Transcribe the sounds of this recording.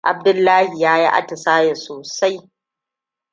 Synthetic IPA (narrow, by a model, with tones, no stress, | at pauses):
ʔa˨b̚dʊ˦lːaː˦hi˨jaː˦ji˦ʔa̰˦tɪ˨saː˦ja˨soː˨sa˦j